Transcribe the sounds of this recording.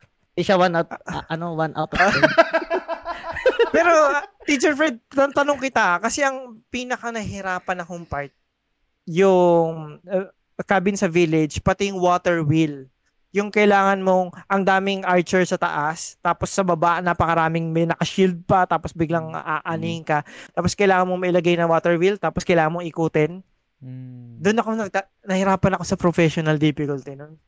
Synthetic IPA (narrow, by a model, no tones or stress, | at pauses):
ɐʃawanʔat̪ʔɐnowanʔa̰wt̪ | pɛːɾot̪it͡ʃɛɹfɹɛd̪̚ɐnt̪ɐnoŋkɪt̪aʔkɐsɛʔɐŋpinɐkɐnɐɦɪɾaːpɐnɐkoŋpaɹt̪̚ | jʊŋ | kabɪnsɐvilɪd͡ʒpɐt̪ɪjʊŋwoːt̪ɛɹwil | jʊŋkɐʔɪlaːŋɐnmo̞ʔɐŋd̪aːmɪŋʔaɹt͡ʃɛɹsɐt̪ɐ̰ʔast̪aːposːɐbɐbaʔnapɐkɐɾaːmɪŋmɛnɐkɐʃild̪̚pɐt̪aːposbɪɡlɐŋʔaʔaniŋkɐt̪aːposkɐjlaːŋɐnmoŋmɐʔɪlɐɡajnɐŋwoːt̪ɛɹwilt̪aːposkɐjlaːŋɐnmoŋʔɪkuːt̪ɛn | d̪onɐko̞nɐɡ̪̚ɐ | nɐhɪɾaːpɐnɐko̞sɐpɾofɛʃonɐld̪ɪfɪkʊlt̪ɪnon